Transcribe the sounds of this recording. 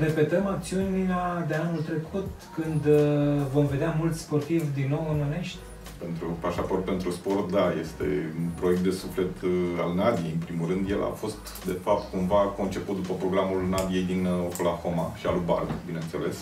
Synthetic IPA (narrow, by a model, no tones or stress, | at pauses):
re̞pe̞t̪əmak̚t̪siuniad̪eanult̪ɾe̞kʰut̪ | kɨnd̪vo̞mve̞d̪eamult̪sʲspo̞rt̪ivd̪inːo̞wononeʃt̪ʲ | pe̞nt̪ɾupaʃapo̞rt̪̚pe̞nt̪ɾuspo̞rt̪̚d̪aje̞st̪e̞̰unpɾo̞jek̚t̪d̪e̞sufle̞t̪a̰lnad̪ijejɨnpɾimulrɨnd̪jelʔa̰fo̞st̪ | d̪e̞fap̚t̪kumvako̞nt͡ʃe̞put̪̚d̪upəpɾo̞ɡɾamulnad̪ije̞jd̪inokolaxo̞maʃia̰luba̰rɡbinent̪sḛle̞̰s